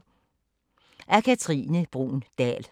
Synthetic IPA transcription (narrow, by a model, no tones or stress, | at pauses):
ʔæɐkʰæt͡sʰʁḭːnəb̥ʁṵːnd̥ɛ̰ːl